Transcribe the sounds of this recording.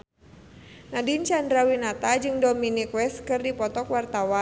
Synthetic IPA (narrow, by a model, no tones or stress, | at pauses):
nadint͡ʃandɾawinat̪ad͡ʒɨŋdɔminikwɛskɨrdipɔt̪ɔkwart̪awan